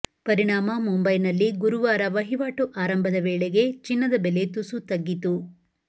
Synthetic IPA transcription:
pɐɾiɳaːmɐmumbɐjnɐlːiɡuɾuʋaːɾɐʋɐɦiʋaːʈuʔaːɾɐmbʱɐd̪ɐʋeːɭeɡe̞t͡ʃinːɐd̪ɐbele̞t̪usut̪ɐɡːit̪u

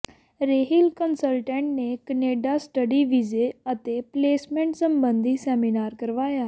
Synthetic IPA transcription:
ɾeːɦilkənsəlʈɛ̃ːɳʈneːkəneːɖaːsʈəɖiːʋizeːət̪eːpleːsmɛ̃ɳʈsəmbənd̪iːsɛːminaːɾkəɾʋaːjaː

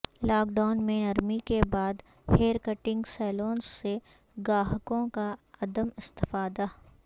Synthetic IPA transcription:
laːkɖaːnmẽnɐɾmikebaːd̪ | heːɾkəʈɪ̃ŋɡsɛːloːnsːe | ɡaːɦkõkaɐd̪əmɪst̪ɪfaːd̪a

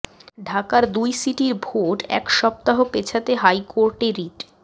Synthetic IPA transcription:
ɖʱakaɾd̪ujsiʈiɾbʱoʈɛ̰kʃɔp̚t̪aɦopet͡ɕʰat̪eɦajkoɾʈeɾiʈ

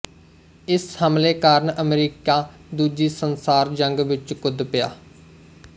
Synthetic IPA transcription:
ɪshəmleːkaːɾnəmɾiːkaːd̪uːd͡ʒiːsənsaːɾd͡ʒəŋɡʋɪt͡ʃkʊd̪pɪja̰ː

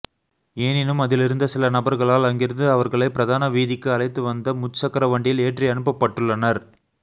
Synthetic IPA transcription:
eːnɪnɯmɐðɪlɪɾɯnd̪ɐsɪlɐnɐbɐɾɣɐɭaːlɐŋɡɪɾɐðɯɐʋɐɾɣɐɭɐɪpɪɾɐðaːnɐʋiːðɪkːɯɐɭɐɪt̪ːɯʋɐnd̪ɐmʊt͡ʃːɐkːɐɾɐʋɐɳɖɪjɪleːʈriɐnɯpːɐpːɐʈːɯɭːɐnɐɾ

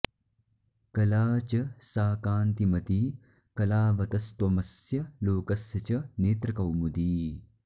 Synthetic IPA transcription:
kɐlaːt͡ʃɐsaːkaːnt̪imɐt̪i | kɐlaːʋɐt̪ɐst̪wɐmɐsjɐloːkɐsjɐt͡ʃɐneːt̪ɾɐkɐwmud̪iː

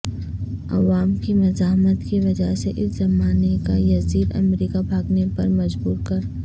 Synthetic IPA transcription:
ɐ̰ʋaːmkimɐzaːɦmət̪kiʋɐd͡ʒaseʔɪszɐmaːnekajɐziːd̪ɐ̰mɾiːkabʱaːɡnepɐɾmɐd͡ʒbuːɾkɐɾ

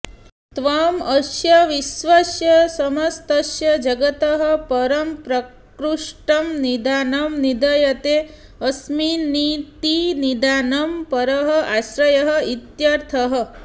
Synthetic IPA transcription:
t̪ʋamɐʃjɐʋisʋɐsjɐsɐmɐst̪ɐʃjɐd͡ʒɐɡɐt̪ɐɦɐ̆pɐɾɐmpɾɐk | ɾuʂʈɐmnid̪aːnɐmnid̪ɐjɐt̪e | ɐsminit̪inid̪anɐmpɐɾɐɦɐ̆ʔaʃɾɐjɐɦəit̪jaɾt̪ʰɐɦɐ̆

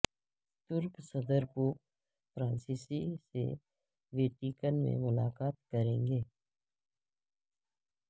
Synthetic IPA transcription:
t̪ʊɾksəd̪əɾko | pɾãːnsiːsisḛ | ʋeːʈikənmḛ̃mʊlaːkaːt̪̚kəɾẽːŋɡeː

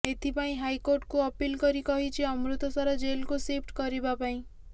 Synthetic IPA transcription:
et̪ʰipaĩɦajkoɾʈkuɔpilkɔɾikɔɦit͡ʃʰiɔmɾut̪ɔsaɾad͡ʒelkusepʰʈkɔɾibapaĩ

